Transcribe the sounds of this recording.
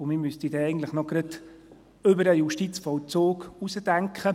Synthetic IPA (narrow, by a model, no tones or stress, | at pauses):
ʊmɪmyst̪idɛɛɪɡn̩tləχnɔɡɾəd̪ | ʏbəɾəjuʃtit͡sfɔwt͡soːkusəd̥æŋkχə